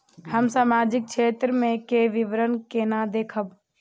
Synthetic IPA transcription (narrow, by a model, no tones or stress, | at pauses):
həmsaːmaːd͡ʒɪk̚ʃʰeːt̪ɾəmẽkeʋɪʋɾənkenad̪eːkʰəb